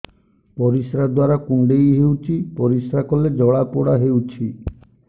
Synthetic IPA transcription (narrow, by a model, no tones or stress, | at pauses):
pɔɾisɾad̪waɾakuɳɖejɦewt͡ʃʰipɔɾisɾakɔled͡ʒɔɭapoɽaɦewt͡ʃʰi